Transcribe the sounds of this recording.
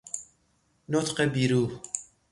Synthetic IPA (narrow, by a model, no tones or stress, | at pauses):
not̪ʰqebiɾu